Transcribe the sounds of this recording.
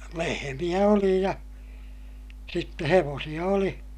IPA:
lehemij̆æ oli jɑ sitːe heʋoːsij̆ɑ oli

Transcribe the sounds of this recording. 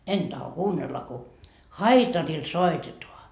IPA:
en tɑho kuːnːelːɑ ku hɑitɑril soitetoɑ

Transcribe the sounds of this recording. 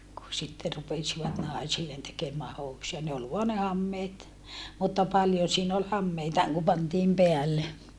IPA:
ku sitːe rupesiʋɑt nɑˑisilːen tekemæː housujɑ ne ol ʋoɑ ne hɑmːeːt mutːɑ pɑljon̞ siːn ol hɑmːeitɑːŋ ku pɑntiːm peælːe

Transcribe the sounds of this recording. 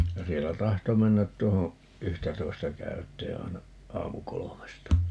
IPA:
jɑ sielːæ tɑhto menːæt tuoho yhtætoi̯stɑ kæytˑeː ɑi̯nɑ ɑːmukolomestɑ

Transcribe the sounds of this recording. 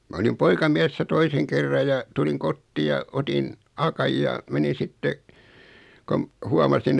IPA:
mɑ olim poikɑmiɛsːæ toiseŋ kerːɑ jɑ tuliŋ kotːiː jɑ otin ɑkɑj jɑ menin̞ sitːe kom huɑmɑsin

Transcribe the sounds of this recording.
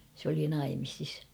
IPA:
se oli nɑimisis

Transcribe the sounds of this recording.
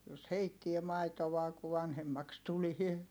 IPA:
jos heitːie mɑitoʋɑː ku ʋɑnhemːɑks tulie

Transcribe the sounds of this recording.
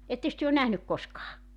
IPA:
etːeks tyø on næhnyk koskɑː

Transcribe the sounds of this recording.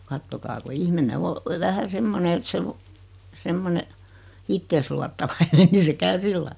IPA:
kɑtːokɑː ku ihmine o ʋæhæ semːone et se lu semːone itːeːs luɑtːɑʋɑinen ni se kæy silːɑi

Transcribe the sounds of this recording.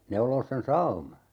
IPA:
neuloːs sen sɑumɑ

